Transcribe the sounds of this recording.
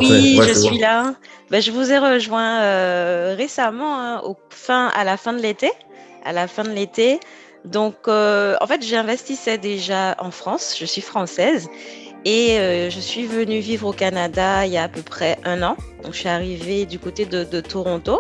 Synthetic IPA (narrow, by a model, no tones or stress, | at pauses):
wiʒəsɥilabaʒəvuzɛʁəʒwɛ̃øʁesamɑ̃ɛ̃ofɛ̃a̰lafɛ̃d̪əlet̪e | a̰lafɛ̃d̪əlet̪e | d̪ɔ̃køɑ̰̃fɛt̪ʒeɛ̃vɛst̪isɛd̪eʒaɑ̰̃fχɑ̃sʒ̥əsɥifχɑ̃sɛzeøʒəsɥivənyvivʁokanad̪ailjaːpəpχɛʔɛ̃nɑ̃d̪ɔ̃ksɥiaʁived̪ykot̪ed̪əd̪ət̪ʰoʁɔ̃t̪o